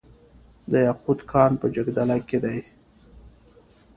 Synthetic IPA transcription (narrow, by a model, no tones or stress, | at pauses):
d̪əjaxut̪kʰɑnpəd͡ʒaɡd̪alaked̪aj